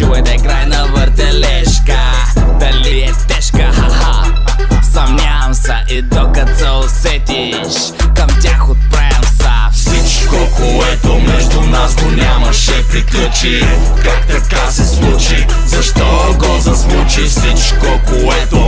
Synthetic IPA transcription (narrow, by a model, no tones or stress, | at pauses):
uvɛd̪ɛkɾajnɐvəɾt̪ɛlɛʃkə | d̪ɐliɛt̪ɛʃkəɦɐɦa | sɐmnʲamsɐʔid̪ɔkɐt̪sɛosɛt̪i | ʃ | kɐmt̪ʲaxot̪̚pɾamsɐfsit͡ʃkokoɛt̪omɛʒd̪ʊnasɡ̪onʲamɐʃɛpɾiklʲut͡ʃi | kakt̪ɐkasɛslˠut͡ʃi | zɐʃt̪ɔ | ɡɔzɐslˠut͡ʃifsit͡ʃkokoɛt̪o